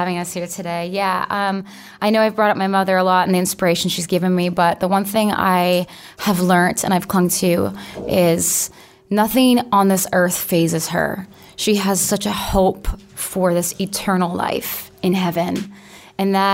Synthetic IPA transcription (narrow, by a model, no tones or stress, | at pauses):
ævɪ̃ŋʌshiɹtʰɨɾeɪjæʌ̃m | ʔaɪnoʊaɪvbɹɔɾʌp̚maɪmʌðə˞əlɔɾɨ̃n̩ðiɨ̃nspə˞eɪʃn̩ʃizɡɪvɨ̃nmibʌt̪̚ðəwʌ̃nθɪ̃ŋa̰ɪ | əvlɜ̃˞ntʰɨ̰̃naɪv̥kʰl̥ʌ̃ŋtʰʉʔɪz̥ | nʌθɪ̃ŋə̃nðɪsɜ˞θfeɪzɨz̥ə̰˞ | ʃiɨz̥sʌt͡ʃɨhoʊpfə˞ðɪsɨtʰɜ˞nl̩ˠla̰ɪf | ɨ̃nɦɛvɨ̃n | ɨ̃nðə